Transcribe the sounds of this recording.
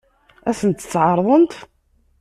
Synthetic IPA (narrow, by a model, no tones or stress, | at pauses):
æsənt̪ːət͡sːʕɑɾˤðˤənt̪